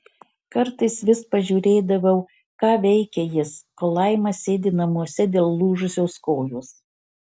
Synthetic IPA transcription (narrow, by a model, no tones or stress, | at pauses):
kɐɾt̪ɐɪsʋʲɪspɐʒʲuːɾʲeːd̪ɐʋʲɛʊ | kɑːʋʲɛɪkʲɛjɪskoːlˠɐɪmɐsʲeːd̪ʲɪnɐmuɔsʲɛd̪ʲeːlˠlˠuːʒʊsʲoːskoːjoːs